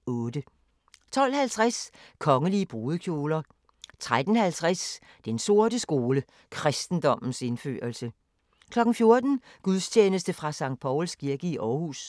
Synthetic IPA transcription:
ɔ̽ːdə | t͡sʰɒ̽l̰hælt͡sʰʁaskʰɒ̽ŋəliəb̥ʁoːð̩ˠəkʰjo̝ːlɐ | t͡sʰʁad̥n̩hælt͡sʰʁas | d̥enso̝ɐd̥əsɡ̥o̝ːlə | kʰʁasd̥n̩d̥ɒ̽m̰n̩se̝nfø̰ːɐlsə | kʰlɒ̽ɡ̥n̩fjo̝ɐd̥n̩ | ɡ̥uðˠst͡ɕʰeːnəsd̥əfʁɑ̈sɑ̈ŋ̰d̥̚pʰɒʊlskʰiɐɡ̥əiʔɒːhṵs

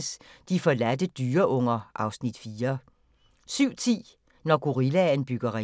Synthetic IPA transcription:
sd̥ifɒ̽læd̥əd̥yːɐʔɔ̽ŋ̰ɐʔɑ̈ʊsnid̥fiːɐ | syʊ̰t͡sʰḭː | nɒɡ̥uʁilænb̥yɡ̥ɐʁi

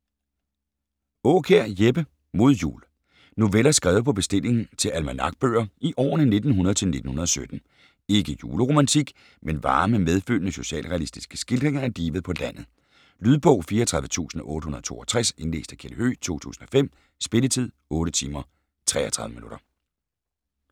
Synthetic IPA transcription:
ɔːkʰeɐ̰jeb̥ə | mo̝ð̞̰ˠjṵːl | no̝ʋelɐsɡ̥ʁɛ̰ːʊpʰɒ̽b̥e̝sd̥e̝l̰e̝ŋn̩t͡sʰe̝lʔælmænɑ̈ɡ̥̚b̥ø̰ːɐiʔɒ̰ːnəne̝d̥n̩ɦunɐð̩ˠt͡sʰe̝lne̝d̥n̩hunɐðˠɒ̽sød̥n̩ | e̝ɡ̥əjuːləʁo̝mænt͡sʰiɡ̥ | menʋɑ̈ːməmeð̞ˠføl̰nəso̝ɕɛ̰ːlʁɛælisd̥isɡ̥ə̥sɡ̥ild̥ʁeŋɐæɐd̥iːʋəð̩ˠpʰɒ̽læn̰ð̩ˠ | lyðˠb̥ɔ̽ʊ̰fiːɐt͡sʰʁɑ̈ðˠʋə̥t͡sʰṵːsn̩ɒ̽ʔɔ̽ːɾ̥əɦunɐðˠt͡sʰo̝̰ːʔɒt͡sʰʁase̝nle̝̰ːsd̥ækʰeləhø̰ːt͡sʰo̝̰ːt͡sʰṵːsn̩ɒ̽fem̰ | sb̥e̝lət͡sʰið̞̰ˠɔ̽ːɾət͡sʰiːmɐ | t͡sʰʁɛ̰ːɐt͡sʰʁɑ̈ðˠʋəminuɾ̥ɐ

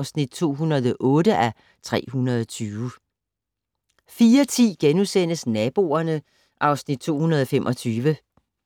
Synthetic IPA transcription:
ʊsnid̥̚t͡sʰo̝̰ːɦunɐðˠɒʔɔ̽ːɾəʔæ | t͡sʰʁɛ̰ːɦunɐð̞ˠɒt͡sʰyːʊ | fiːɐt͡sʰḭːɡ̥enusen̰əsnɛb̥o̝̰ːɐnə | ʔɑ̈ʊsnid̥̚t͡sʰo̝̰ːhunɐð̞ˠɒfemʔɒ̽t͡sʰyːʋə

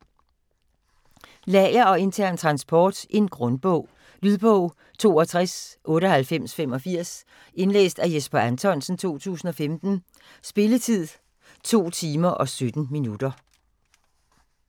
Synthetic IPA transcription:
lɛɪɐɒ̽e̝nt͡sʰæɐ̰nt͡sʰʁɑ̈nsb̥ʰɒːd̥ʔe̝nɡ̥ʁɔ̽nb̥ɔʊ̰ | lyðˠb̥ɔʊ̰ | t͡sʰo̝̰ːɒ̽t͡sʰʁasʔɔ̽ːɾəhælfem̰sfemɒ̽fiɐ̰s | e̝nlḛːsd̥æjesb̥ɐænt͡sʰɒ̽n̰sn̩t͡sʰo̝̰ːt͡sʰṵːsn̩ɒ̽femd̥n̩ | sb̥e̝lət͡sʰið̰ˠ | t͡sʰo̝̰ːt͡sʰiːmɐʔɒ̽sød̥n̩minud̥ɐ

